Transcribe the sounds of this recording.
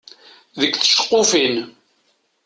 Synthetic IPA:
ðəkːθə̥ʃə̥qːofin

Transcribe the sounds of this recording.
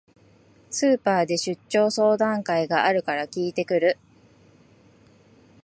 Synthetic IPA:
sɨːpaːd̪e̞ɕɨt͡ɕːo̞ːso̞ːd̪ãŋkaiɡaʔaɾɯ̟kaɾakʲiːt̪e̞kɯ̟ɾɯ̟

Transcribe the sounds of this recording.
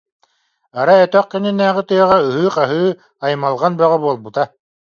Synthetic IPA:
aɾaœt̪œq̚kɛninæːʁit̪ɯjœʁayɦɯːqaɦɯː | ajmalˠʁanbœʁabuɔlˠbut̪a

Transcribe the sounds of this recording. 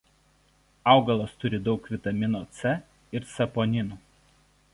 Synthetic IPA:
ɑˑʊɡɐlˠoːst̪ʊɾʲɪd̪ɒʊkʋʲɪt̪ɐmʲɪnoːt̪sʲɛ | ɪɾsɐpoːnʲɪnuː

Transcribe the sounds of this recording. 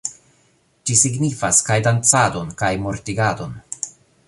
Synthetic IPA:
d͡ʒisiɡnifaskajdant͡sado̞nkajmoɾtiɡado̞n

